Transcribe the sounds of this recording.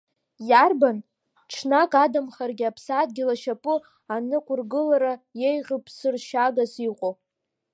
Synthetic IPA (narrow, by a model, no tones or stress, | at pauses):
jarban | ʈ͡ʂʰnakʼadamχarɡʲɪapʰsad̚ɡʲɪlaʃapʼʊ | anɨkʷʼʊrɡɨlaɾajejʁʲəpʰʼsɨrʃaɡasiqʷʼo